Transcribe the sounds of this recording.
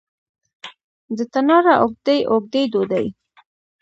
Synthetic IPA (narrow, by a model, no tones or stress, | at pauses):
d̪ət̪anɑɾaʔoɡ̚d̪ejʔoɡ̚d̪ejd̪od̪aj